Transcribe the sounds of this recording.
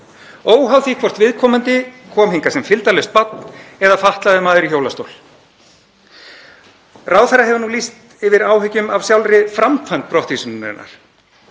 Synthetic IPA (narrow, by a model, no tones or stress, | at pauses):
oːwɦawθikʰvɔr̥t̪vɪðkʰɔːmant̪ɪkʰɔːmhiŋkasɛmfɪlt̪alœst̪̚pat̪nɛðafaht̪laðɪmaːðɪɾiçoːwlast̪owl | raːwθɛrːaɦɛvʏnulist̪ | ɪvɪɾaːwɦʏcʏmavsjawlɾɪfɾamkfajnt̪̚pɾɔht̪isʏnʏnɪ̰nːa̰ɾ̥